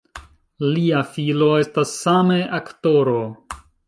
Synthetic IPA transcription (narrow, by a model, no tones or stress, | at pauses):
liafilo̞e̞stasːame̞ʔakto̞ɾo